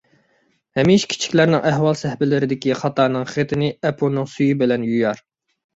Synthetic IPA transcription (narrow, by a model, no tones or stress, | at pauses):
hɛmiʃkʲʰi̥t͡ʃʰi̥kʲlæɾnɪŋʔæɦwɑlˠsɛhbɪlɪɾɪd̪ɪkʲiχɑt̪ɑːnɨŋχet̪ʰɪnɪɛpʰonɨŋsyjibɪlɛnjyjɑɾ